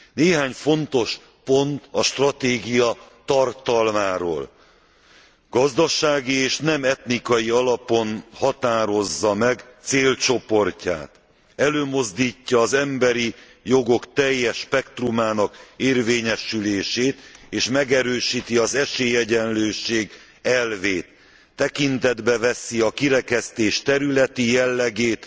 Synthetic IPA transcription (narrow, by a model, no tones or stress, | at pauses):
neːɦaːɲfo̞nt̪o̞ʃ | po̞nt̪ɒʃt̪rɒt̪eːɡijɒt̪ɒrt̪ɒlmaːɾo̰ːl | ɡɒzd̪ɒʃaːɡieːʃnɛmɛt̪nikɒjiɒlɒpo̞nhɒt̪aːɾo̞zːɒmɛɡt̪seːlt͡ʃo̞po̞rca̰ːt̪ | ɛløːmo̞zd̪iːcːɒːzɛmbɛɾi | jo̞ɡo̞kt̪ɛjːɛʃpɛkt̪rumaːnɒkeːrveːɲɛʃyleːʃeːt̪eːʃmɛɡɛɾøːʃiːt̪iɒzɛʃeːjɛɟɛnløːʃeːɡ | ɛlveːt̪ː | ɛkint̪ɛd̪bɛvɛsiɒkiɾɛkɛst̪eːʃt̪ɛɾylɛt̪ijɛlːɛɡeːt̪